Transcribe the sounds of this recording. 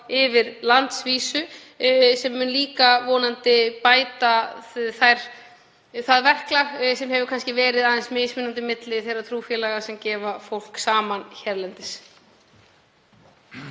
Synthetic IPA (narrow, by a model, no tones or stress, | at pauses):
ɪvɪɾlant̪sviːsʏ | sɛmːʏnliːkavɔːnant̪ɪpaːjt̪aθajɾ̥ | θaðvɛr̥klasɛmɦɛvʏkʰanscɪvɛːɾɪðaðɛnsmɪjsmɪnant̪ɪmɪt̪lɪθejrːat̪ʰɾuːfjɛlaɣḁsɛmcɛːvafowl̥ksaːmançɛɾlɛnt̪ɪs